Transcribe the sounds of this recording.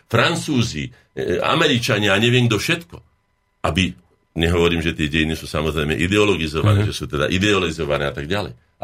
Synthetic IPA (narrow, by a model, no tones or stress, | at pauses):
fɾant͡suːzi | a̰mɛɾit͡ʃaɲɪaaɲɛʋɪɛŋɡd̪ɔfʃɛt̪kɔ | abi | ɲɛɦɔʋɔɾiːmʒɛt̪ɪɛɟɛjinisuːsamɔzɾɛjmɛʔid̪ɛɔlɔɡizɔʋa̰nɛːʒɛsuːt̪ɛd̪a̰ʔid̪ɛɔlizɔʋanɛːat̪aɡɟalɛ̰j